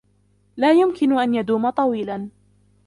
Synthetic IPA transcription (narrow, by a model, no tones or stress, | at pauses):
laːjʊmkɪnʊʔanjad̪uːmat̪ˤɑwiːlan